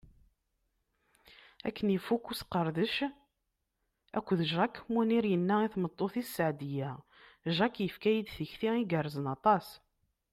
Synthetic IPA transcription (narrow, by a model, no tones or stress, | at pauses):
æ̰kːənifːukːusqːəɾˤðəʃ | æ̰kʷːðəʒɾɑkːmuniɾjənːæiθmət̪ˤːoθisːəʕd̪ijæ | ʒɑkːjəfkæjid̪θəçθiiɡərˤːəzənɑt̪ˤɑs